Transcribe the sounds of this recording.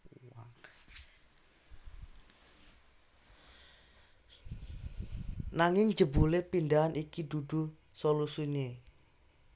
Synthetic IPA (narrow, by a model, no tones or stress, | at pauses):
wa | naŋɪŋd͡ʒə̤bulepindaɦanʔikid̪ud̪ṳ | solusiɲe